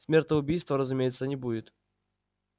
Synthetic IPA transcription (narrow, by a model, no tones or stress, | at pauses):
sʲmʲert̪əʊbʲijst̪vəɾəzʊmʲejɪt̪sːənʲɪbudʲɪt̪